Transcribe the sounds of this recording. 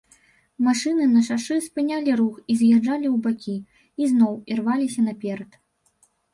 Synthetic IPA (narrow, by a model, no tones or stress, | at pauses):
maʂɨnɨnɐʂaʂɨspɨnʲalʲiɾuxizjad͡ʐalʲiwbakʲi | iznɔwirvalʲisʲɐnɐpʲɛɾɐt̪